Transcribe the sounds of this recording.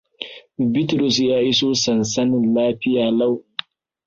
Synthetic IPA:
bɪ˦tɾu˨s̬jaː˦ʔi˦soː˦sɐ˨nsɐ˦nɪ˨nlaː˦ɸɪ˦jaː˨la˦˨w

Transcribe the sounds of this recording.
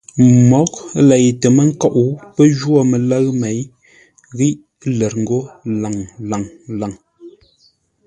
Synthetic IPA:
mɔ˨˦k̚lɛ˨jtə˨mə˦ŋ̩˦kɔ˦ʔu˨pə˦d͡ʒwo˦˨me˨lə˦ɰme˨˦j | ɣi˦ʔ | le˨ɾŋ̩˦ɡo˦la˨ŋla˨ŋla˨ŋ

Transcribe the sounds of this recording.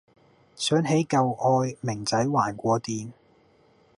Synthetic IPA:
sœː˨˥ŋɦe˨˥jkɐ˨wʔɔː˧jmɪ˨˩ŋt͡sɐ˨˥jwaː˨˩nkʷɔː˧t̪iː˨˧n

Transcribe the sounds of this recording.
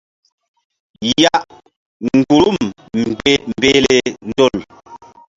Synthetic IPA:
ja˦ʔ | ŋ̩˨ɡu˨ɾu˦˨mm | m̩˨be˦m̩˨beː˦lɛ˨n̩˦dɔ˦˨l

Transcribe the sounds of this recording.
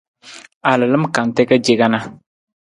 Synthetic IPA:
a˨lɨ˨lɨ˦m˦ka˨n˨tɛ˦ka˦d͡ʒe˦ɡa˦na˦

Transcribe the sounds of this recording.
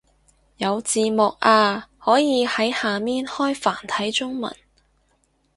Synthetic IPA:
jɐ˨˧wt͡siː˨˧mʊ˨k̚ʔaː˧hɔː˨˥jiː˨˧hɐ˨˥jhaː˨miː˥nhɔː˥jfaː˨˩nt̪ʰɐ˨˥jt͡sʊ˥ŋmɐ̰˨˩n

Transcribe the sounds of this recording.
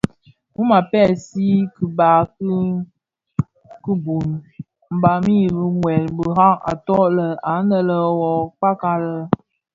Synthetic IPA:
mu˦ma˨pɛ˦˨si˦ki˨ba˨k | kə˦bu˨n | m̩˨ba˨mi˦bə˨ŋwɛ˨lbə˨ɦa˦ŋa̰˨tɔ˦ʔlə˨a˨˦nə˦lə˦wɔ˨k͡pa˦ka˦lə˦

